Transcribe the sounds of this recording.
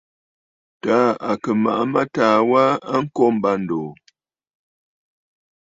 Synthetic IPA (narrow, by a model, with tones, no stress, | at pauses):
taː˨˦a˨kə˨ma̰˨ʔa˦ma˦taː˨wa˦a˦ŋ̩˦kɔ˦m̩˦ba˦n̩˨doː˨